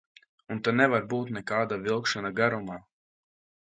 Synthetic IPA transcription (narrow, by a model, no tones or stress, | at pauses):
unt̪anɛvaɾbuːt̪nɛkaːd̪avilˠkʃanaɡaɾumaː